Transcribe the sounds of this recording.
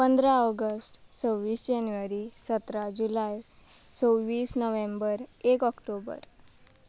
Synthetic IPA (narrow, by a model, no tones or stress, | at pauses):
pənd̪ɾaɔɡəsʈsowːiːsd͡ʑanʋəɾisət̪ɾad͡ʑulaj | t͡sowʋiːsnəʋembəɾekɔkʈobə̰ɾ